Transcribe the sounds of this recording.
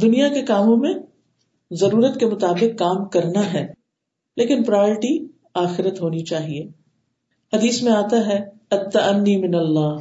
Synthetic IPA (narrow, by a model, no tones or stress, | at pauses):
d̪ʊnijakekaːmõmẽ | zɐɾuːɾət̪kemʊt̪aːbɪqːaːmkɐɾnaɦɛː | leːkɪnpɾajɔːɾɪʈi | aːxɪɾət̪ɦoːnit͡ʃaːɦieː | hɐd̪iːsmẽaːt̪aɦɛ | ɐt̪ːɐʔɐnːimɪnɐlːaː